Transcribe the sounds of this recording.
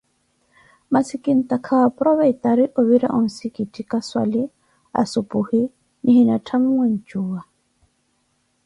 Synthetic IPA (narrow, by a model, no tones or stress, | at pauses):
masikʼin̩t̪ʼakʰawapʼɾɔβait̪ʼaɾiʔʊβiɾa̰ʔʊn̩sikʼitʼikʼaswa̰lɪ | a̰sʊpʼuhi | nɪhinatʰam̩mwen̩t͡ʃʼuːa